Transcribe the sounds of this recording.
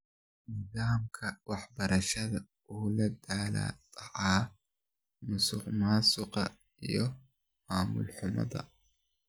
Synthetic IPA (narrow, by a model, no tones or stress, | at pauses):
nɪðaːmkʰɐwɑħbɐɾɐʃɐðɐ | uːlɐd̪aːla̰ːt̪ʰʼɐʕɑː | mʊsʊqmaːsʊqɐ | ijɔ | maːmʊ̰lħʊmɐ̰ðɐ̰